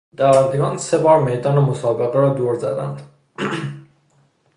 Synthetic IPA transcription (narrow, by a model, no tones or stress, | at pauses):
d̪̥ææɾd̪eɡɒːnse̞bɒːɾmejd̪ɒːnemosɒːbe̞ɣeɾɒːd̪oːɾzæd̪æ̰nd̪